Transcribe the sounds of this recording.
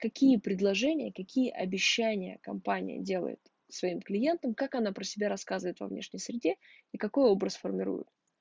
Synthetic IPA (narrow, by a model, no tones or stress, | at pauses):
kɐkʲijəpɾʲɪd̪lˠɐʐɛnʲɪjəkɐkʲijəʔɐbʲɪɕːænʲɪjə̰kɐmpanʲɪ̰jə̰dʲe̞lˠə̰jɪ̰t̪ | svɐimklʲɪjent̪əmkakɐnapɾəsʲɪbʲaɾɐskazɨvəɪt̪vɐ̰vnʲeʂnʲəjsɾʲɪdʲe̞ikɐko̞jo̞bɾəsfərmʲɪɾṵjʊ̰t̪̚